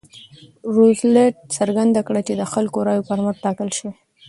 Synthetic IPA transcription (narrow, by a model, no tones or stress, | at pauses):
ɾozleʈ̚saɾɡand̪akɽat͡ʃed̪əxalkoɾɑjopaɾmaɾt̪ɑkəlʃi